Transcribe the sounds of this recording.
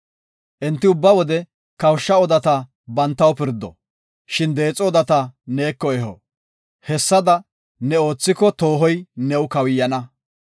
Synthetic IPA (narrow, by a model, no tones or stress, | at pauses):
ʔɛnt̪ːɪʊbːɐwɔd̪ɛ | kɐwʃːɐɔd̪ɐt̪ɐ | bɐnt̪ːɐwpɪɾd̪ɔ̰ | ʃɪnd̪e̞ːt͡sʼɔɔd̪ɐt̪ɐne̞ːkːɔɛɦɔ̰ | hɛsːɐd̪ɐ | nɛo̞ːt͡sːɪkɔt̪oːɦɔjnɛwʊkɐwɪjːɐnɐ